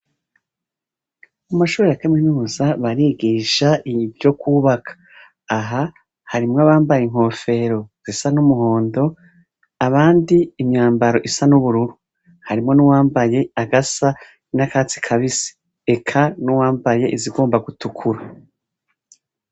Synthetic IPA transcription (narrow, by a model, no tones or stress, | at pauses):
umaʃuːɾejakaminuːzaβaɾiːɡiʃaʔivjo̞kuːβakʰḁː | ɦa | haɾimŋaβaːmbajeŋ̥ho̞ːfe̞ɾo̞z̥isanumuho̞ːndo̞ | aβaːndiːmɲaːmbaɾo̞ʔisanuβuɾuɾu | haɾimŋo̞nuwaːmbaje̞aɡasa | nakaːt͡si̥kʰaβisi̥ | ekʰanuwaːmbaje̞ʔiziɡo̞ːmbaɡutukʰuɾa